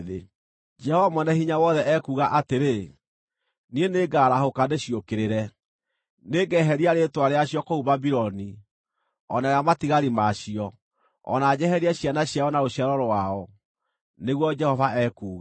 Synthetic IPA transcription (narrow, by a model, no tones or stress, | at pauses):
ðe | d͡ʒɛhɔvamwɛnɛhiɲawɔðɛʔɛkuːɣaʔateɾe | nieneɡaːɾahokadeɕijokeɾeɾɛ | neɡɛɦɛɾiaɾetwaɾeaɕiɔkohuβabiɾɔni | ɔnaɾamatiɣaɾimaɕiɔ | ɔ̰nad͡ʒɛɦɛɾiaɕjanaɕjaɔnaoɕjaɾɔɾowaɔ | neɣwɔd͡ʒɛhɔvaɛkuːɣa